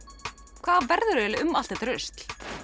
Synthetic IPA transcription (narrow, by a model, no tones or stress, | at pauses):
kʰvaːðvɛɾðʏɾɛlʏmal̥t̪ɛt̪ɾʏst̪l̥